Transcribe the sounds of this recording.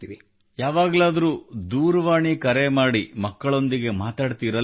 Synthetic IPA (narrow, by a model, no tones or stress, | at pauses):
ii | jaːʋaːɡlaːd̪ɐɾuːd̪uːɾɐʋaːɳikɐɾemaːɽimɐkːɐɭo̞nd̪iɡe̞maːt̪aːɖt̪iɾɐ